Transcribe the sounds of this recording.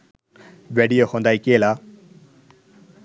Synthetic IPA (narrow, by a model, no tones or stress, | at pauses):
beɽijohõnd̪ajkela